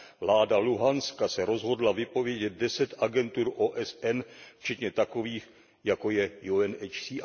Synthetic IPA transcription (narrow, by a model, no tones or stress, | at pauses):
vlaːdaluɦanskasɛɾo̞zɦo̞dlavɪpo̞vjɛɟɛt̪̚dɛsɛt̪ʔaɡɛnt̪uːɾʔoːʔɛsɛnft͡ʃɛt̪ɲɛt̪akoviːx | jako̞jɛjuɛnɛt͡ʃsiː